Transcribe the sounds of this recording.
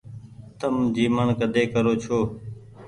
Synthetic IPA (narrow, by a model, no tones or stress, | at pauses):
t̪əmd͡ʒiːməɳkəd̪eːkəɾoːt͡ʃʰoː